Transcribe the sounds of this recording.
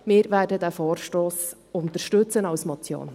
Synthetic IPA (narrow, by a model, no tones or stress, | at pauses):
mɪːɾvæːɾdədæːfoːrʃtoːs | ʊnt̪əɾʃtɵt͡sənɑwsmɔt͡sjo̰ːn